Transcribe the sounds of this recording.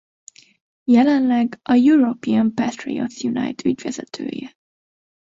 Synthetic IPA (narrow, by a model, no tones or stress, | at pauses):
jɛlɛnlɛɡɒjuɾopiɒmpɛt̪rḭo̰t̪sjuna̰jt̪ʰyɟʋɛzɛt̪ʰø̰ːjɛ